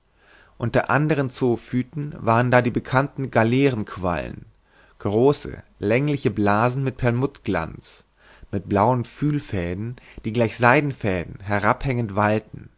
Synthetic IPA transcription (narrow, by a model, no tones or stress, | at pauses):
ʔʊntɐʔandəʁ̞ənt͡soːfyːtn̩vaːʁəndaːdiːbəkʰantn̩ɡalɛːʁən̩kʰv̥a̰lə̰n | ɡ̥ʁoːsə̰lɛŋlɪçəblaːzn̩mɪt̚pʰɛɐmʊtɡ̥la̰nt͡s | mɪt̚b̥laʊənfyːlfɛːdn̩d̥iːɡlaɪçz̥aɪdn̩fɛːdn̩ɦɛʁaphɛŋəntv̥altn̩